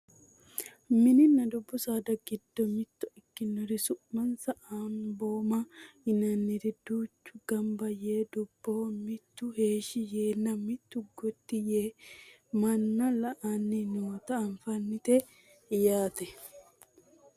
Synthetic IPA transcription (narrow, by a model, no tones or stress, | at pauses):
mɪnɪnːɐd̪ʊbːʊsaːd̪ɐɡɪd̪ːɔmɪt̪ːʊɪkːɪnːɔɾɪsʊʔmɐnsɐʔamboːmɐɪnɐnːɪɾɛd̪uːt͡ʃːʊɡɐmbɐjeːd̪ʊbːoːmɪt̪ːʊheːʃɪjeːnːɐmɪt̪ːʊɡɔt̪ːɪjeː | mɐnːɐlɐʔanːɪnut̪ɐɐnfɐnːɪt̪e | jaːt̪ɛ